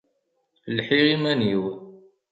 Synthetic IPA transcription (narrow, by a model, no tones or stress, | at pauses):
əlħiʁimæniw